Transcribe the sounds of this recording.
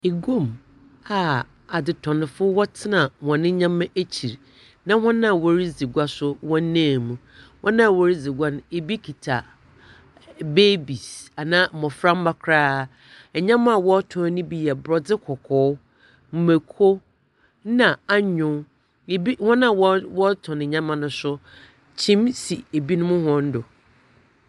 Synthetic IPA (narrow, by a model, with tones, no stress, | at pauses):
e˨ɡo˦˨m | a˨ | a˨dɪ˨tʰɔ̃˨nɪ̃˨fʊ˦wɔ˦tʰɪ˦nã˨wɔ̃˨nɪ̃˦ɲã˦mːã˦ʔe˦t͡ɕʰi˨ɾ | nã˦hɔ̃˦nã˦˨wɔ˦ɾi˦d͡zi˨ɡʷa˦sʊ˦wɔ̃˦n˦nãː˦˨mũ˨ | hɔ̃˦nã˦˨wɔ˨˦ɾi˦d͡zi˨ɡʷa˦nʊ̃˨e˨bi˦kʰi˨tʰa̰˨ | be˦bi˨sa˨nã˦˨mɔ̃˨fɾã˦m̩˦ba˦kʰɾaː˦ | ɛ˨ɲã˦mã˦˨wɔ˦tʰɔ̃˨˦nɪ̃˦bi˦jɛ˨bɾɔ˨d͡zɪ˦kʰɔ˨kʰɔː˨˦ | m̩˨me˨kʰo˦ | nã˨a˦ɲʊ̃˨ | bi˦hɔ̃˦nã˦˨wɔ˦wɔ˦tʰɔ̃˨nɪ̃˨ɲã˦mã˦nʊ̃˨sʊ˦ | t͡ɕʰĩ˦msi˨e˨bi˦nʊ̃˦mʊ̃˦hɔ̃˦n̩˦dʊ˨